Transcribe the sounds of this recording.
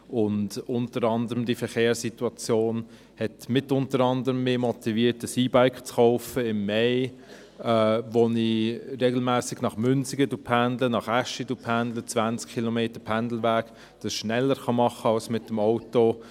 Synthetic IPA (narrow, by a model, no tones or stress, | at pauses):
ʊndʊntəɾɑndəʁəmdifəχeːsituɑt͡sjoːn | hɛtmɪtʊntəɾɑndəʁəmːɪːmɔtiviːtəsiːbaɪkχt͡sχɔʊfəɪmːeɪ | ɛːʋoniɾeːɡl̩mæːsɪɡnɑχmʏnsɪɡədupʰændlənɑχæʃidupʰændlət͡svænt͡skʰːilɔmeːtəpʰændl̩væːɡ | d̥ɑsʃnɛlːəɾχɑmɑχəɑlsmɪtːəmɔʊto